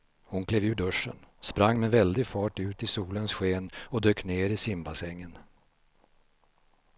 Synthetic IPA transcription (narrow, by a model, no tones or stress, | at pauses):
hʊnkʰleːvʉ̟ːɖɵʂːə̰nspɾaŋːmɛvɛld̪ɪɡfɑːʈʉ̟ːt̪ɪsuːlənsɧeːnɔd̪øːkneːɾɪsɪmbasɛŋːən